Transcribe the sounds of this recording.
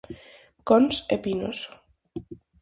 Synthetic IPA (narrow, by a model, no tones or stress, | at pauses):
konsepino̰s